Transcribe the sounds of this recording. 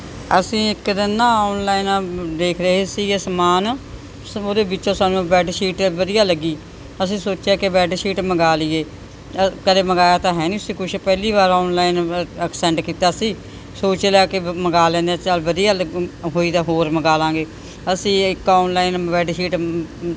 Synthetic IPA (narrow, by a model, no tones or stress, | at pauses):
əsĩːɪkd̪ɪnãːɔːnlaːiːnːd̪eːkʰɾəɦeːsiːesəmaːn | oːd̪eːbɪt͡ʃõːsaːnũːbɛːɖʃiːʈʋəd̪ijaːləɡːiː | əsĩːsoːt͡ʃeaːkebɛːɖʃiːʈməɡaːliːeː | kəleːməɡaːjaːt̪ãːɦɛːniːsĩːkʊt͡ʃʰpɛːliːβaːɾɔːnlaːinəksɛ̃ːɳʈkiːt̪aːəsĩː | soːt͡ʃleaːkeməɡaːlɛ̃ːnd̪eːt͡ʃaːlʋəd̪ɪjaːlɦoːiːd̪aːɦoːɾməɡaːlãːŋɡeː | əsĩːɪkɔːnlaːinʋɛːɖʃiːʈ